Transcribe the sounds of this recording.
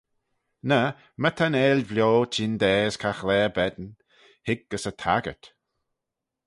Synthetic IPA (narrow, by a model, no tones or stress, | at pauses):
nə | mət̪ʰanɛːlvlʲjoːt͡ʃʰind̪ɛːskʰaxlɛːbɛd̪n | hɪɡ̚ɡ̥əsətʰa̰ɡə̰t̪